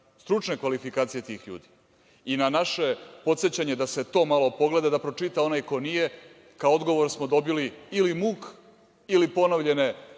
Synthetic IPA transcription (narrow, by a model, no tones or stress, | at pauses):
st̪ɾut͡ʃne̞kʋalifikaːt̪sije̞t̪iːxʎṵːd̪i̥ | inanaʃe̞po̞t̪set͡ɕaɲe̞d̪ase̞t̪o̞ːmalˠopo̞ɡle̞d̪ad̪apɾot͡ʃit̪ao̞najko̞nije̞ | kaood̪ɡo̞ʋo̞ɾsmod̪o̞biliilimuːk | ilipo̞naʋʎe̞ne